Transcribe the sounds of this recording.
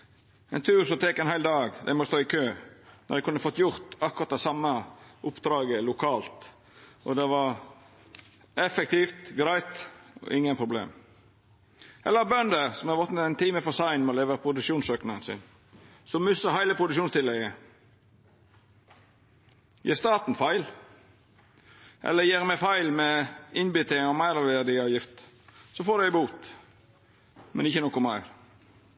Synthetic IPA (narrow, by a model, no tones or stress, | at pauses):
ɛɪnt̪ʰʉːɾsɔmt̪ʰɛkɛnhæɪld̪ɑːɡd̪æ̰ɪmɔst̪oːɪkʰøːnʔɔ̰d̪ɛɪkʉnːəfɔt̪ːjʊɾt̪ɑkːʊɾɑt̪d̪ɛsɑmːəʔʊpd̪̥ɾɑːɡəlʊkʰɑːlt̪ | ʔɔd̪ɛʋɑɾ | ɛfɛk̚t̪ift̪ɡɾæɪt̪ɔ̰ʔɪŋːənpʰɾʊblḛːm | ʔɛ̰lːəɾbœnd̪əsɔmɑʋɔt̪nət̪ɛɪnt̪ʰiːməfɔsɑɪnmoleːʋəpʰɾʊd̪ʉkʃuːnsøːknɑənsɪ̰n | sɔmːʉsəhæɪləpʰɾʊd̪ʉkʃuːnst̪ɪlːɛɡə | jḛːst̪ɑːt̪n̩fæɪl | ʔɛ̰lːəɾjeːɾmɛfæɪlmɛɪnbʏt̪ʰɪŋɔmæɪɾɔʋed̪ɪɑːʋjɪft̪ | sɔfoːd̪æɪbuːt̪ | mɛ̰nɪçːənɔkʊmæɪɾ